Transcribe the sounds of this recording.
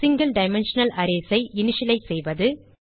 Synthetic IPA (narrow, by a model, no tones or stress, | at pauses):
sɪŋɡɐlɖɐɪmɛnʂɐnɐlʔɐɾeːsɐɪʔɪnɪʂɪlɐɪsɛjʋɐðɯ